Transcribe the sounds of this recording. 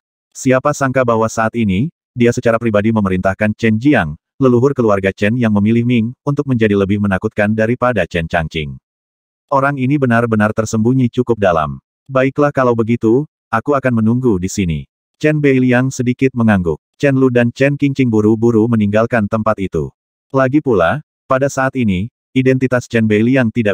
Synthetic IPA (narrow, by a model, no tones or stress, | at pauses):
siapasaŋkabaɦwasaːt̪ini | diasət͡ʃaɾapɾibadiməməɾint̪ahkant͡ʃɛnd͡ʒiaŋ | ləluɦʊrkəluarɡat͡ʃɛnjaŋməmilɪhmiŋunt̪ʊk̚məɲd͡ʒadiləbɪhmənakut̪̚kandaɾipadat͡ʃɛnt͡ʃaŋt͡ʃɪŋ | ʔoɾaŋinibənarbənart̪ərsəmbuɲit͡ʃukʊp̚dala̰m | baɪklahkalawbəɡit̪u | ʔakuakanmənuŋɡudisinḭ | t͡ʃɛnbeiliaŋsədikɪt̪̚məŋaŋɡʊk̚t͡ʃɛnludant͡ʃɛnkiŋt͡ʃɪŋbuɾubuɾuməniŋɡalkant̪əmpat̪it̪ṵ | laɡipula | padasaːt̪ini | idɛnt̪it̪ast͡ʃɛnbeliaŋt̪ida